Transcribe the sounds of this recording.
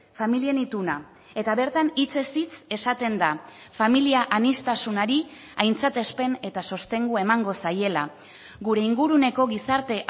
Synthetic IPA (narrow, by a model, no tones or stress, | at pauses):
familie̞nit̪una | e̞t̪aβe̞ɾt̪anit͡se̞sit͡se̞sat̪e̞nd̪afamiliaʔanist̪asunaɾi | ajnt͡sat̪e̞spe̞ne̞t̪aso̞st̪e̞ŋɡuaemaŋɡo̞saje̞la | ɡuɾe̞iŋɡuɾune̞ko̞ɣisaɾt̪e̞ʔ